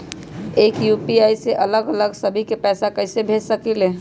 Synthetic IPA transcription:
ekjupiajseʔələɡələɡsəbʱikepɛːsakəɪsebʱed͡ʒsəkilẽ

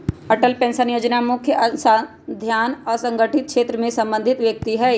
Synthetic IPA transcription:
ɐʈəlpɛ̃ːnsənjoːd͡ʒnamʊkʰjəsa | d̪ʱjaːnɔːɾsɐ̃ŋɡəʈʰɪt̪̚kʰʃeːt̪ɾəmẽsɐ̃mbə̃nd̪ʱɪt̪ʋjək̚t̪iɦɛː

